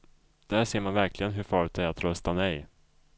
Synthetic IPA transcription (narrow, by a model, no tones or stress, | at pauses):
d̪̥æʂeːɾmanvæɾklɪɡənɦɵɾfɑːɾɵt̪̚d̪ɛæɾat̪ɾœst̪anɛj